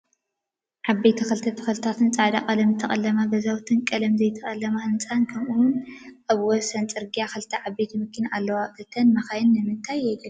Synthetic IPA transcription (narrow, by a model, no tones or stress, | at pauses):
ʕabejt̪ʰɐxɐlt̪ʰɐt̪ʰɐ̥xɐlt̪ʰat̪ʰɨnt͡sʼaʕd̪akʼɐlɐmt̪ʰɐχʼɐlːɐmabɐzawt̪ʰɨnkʼɐlɐmzɐjt̪ʰɐχʼɐlːɐmaɨnt͡sʼankʰɐmʔuwʊnʔaβwɔsɐnt͡sʼɨɾɡijaxɐlt̪ʰɐʕabːejt̪ʰimɨkʰːɨnalːɐwaɨt̪ʰːɐnmɐxajɪnːɨmɨnt̪ʰajːɛɡɐ